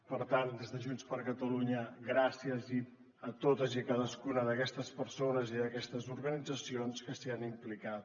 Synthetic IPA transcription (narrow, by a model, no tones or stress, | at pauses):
pəɾt̪and̪ezðəʒunspəɾkət̪əluɲəɣɾasiəzi | ət̪ot̪əziəkaðəskunəðəkɛst̪əspəɾsonəziðəkɛst̪əzuɾɣənid͡zəsionskəsianimplikat̪